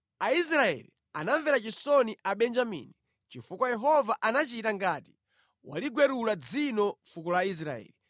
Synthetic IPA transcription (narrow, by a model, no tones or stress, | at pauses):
ais̬ɾaɛ̰li | anaɱvɛɾat͡ʃisɔniʔaɓɛnd͡ʒamḭni | t͡ʃifukwajɛɦɔvaʔanat͡ʃitaŋɡaːti̥ | wa̰liɡwɛɾulad͡zinɔfukɔlais̬ɾaɛ̰ːli